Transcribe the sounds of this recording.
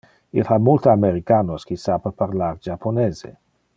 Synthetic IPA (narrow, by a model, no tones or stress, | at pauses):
ilhamːult̪oameɾikaːnoskisapepaɾlard͡ʒapʰːoneːzḛ